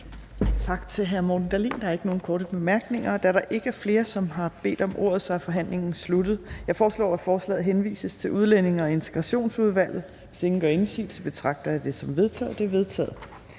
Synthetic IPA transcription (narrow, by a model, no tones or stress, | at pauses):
t͡sʰɑ̈ɡ̥t͡sʰe̝lɦæɐmɒd̥n̩d̥æɐlḭːnd̥ɑɐe̝ɡ̥əno̝ːn̩kʰɒːɾəb̥e̝mæɐɡ̥ne̝ŋɐd̥ææɐɾ̥ɑ̈ʔe̝ɡ̥əæɐfle̝ːɐsɒ̽mɦɑ̈b̥e̝̰ːd̥ɒ̽mʔo̝̰ɐ̰ð̞̩ˠsɑæfɒ̽ɦæn̰le̝ŋn̩slud̥ð̞̩ˠjɑ̈ɪfɒːslɒ̰ːæ̥fɒːslɛ̰ːð̩ˠɦenʋḭːsəst͡sʰe̝lʔuð̞ˠlene̝ŋɐɒe̝nt͡sʰe̝ɡ̥ʁɑ̈ɕo̝̰ːnsuð̞ˠʋæl̰ð̩ˠ | ʋe̝se̝ŋn̩ɡ̥ɶɐe̝nsḭ̥ːt͡sʰeb̥e̝t͡sʰʁɑ̈ɡ̥̚d̥ɐd̥e̝sɒ̽mʋe̝ðˠt͡sʰɛ̰ːð̩ˠd̥eɐʋe̝ð̞ˠt͡sʰɛ̰ːð̩ˠ